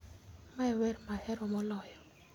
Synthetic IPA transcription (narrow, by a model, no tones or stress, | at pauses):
maɛwɛrmahɛɾɔmɔlɔjɔ